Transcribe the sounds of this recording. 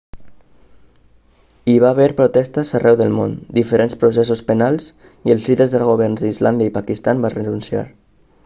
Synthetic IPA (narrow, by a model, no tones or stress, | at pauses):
iβaβɛɾpɾut̪ɛst̪əzarɛwðəlˠmo̰nd̪ifəɾenspɾusɛs̬uspənalˠz | iəlˠzliðəɾzðəlˠɣ̞oβ̞ɛrnzðəizland̪əipakist̪ambarənunsia̰ɾ